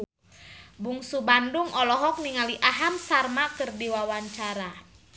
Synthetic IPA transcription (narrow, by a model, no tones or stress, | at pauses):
buŋsubanduŋɔlɔɦɔk̚niŋaliʔaɦamsarmakɨrdiwawaɲt͡ʃaɾa